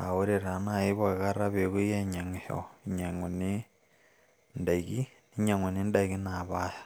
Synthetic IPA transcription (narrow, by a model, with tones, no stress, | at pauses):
a̰˨o˦ɾe˨ɾa˨na˦˨i˦βa˨ɣa˦ɾa˦βe˨ɣu˦je˦ɲa˨ŋe˨ho̰˨ɲa˨ŋo˨ni˦ | nda˨i˨ɣi˦ni˦ɲa˨ŋo˨ni˦nda˦iɣi˦na˨βa˦ja